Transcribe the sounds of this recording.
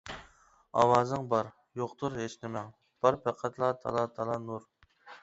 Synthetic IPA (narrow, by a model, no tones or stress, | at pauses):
ɑ̰wɑːzɨŋbɑɾ | joqt̪ʰuɾɦeʃnɪmɛŋ | b̥ɑɾpʰæqʰæt̪ʰlˠɑt̪ʰɑ̰lˠɑt̪ʰɑlˠɑnuɾ